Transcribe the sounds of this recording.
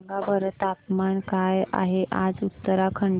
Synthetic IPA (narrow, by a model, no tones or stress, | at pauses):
ŋɡabəɾət̪ap̚mankaja̰ɦeʔad͡zut̪ːəɾakʰəɳ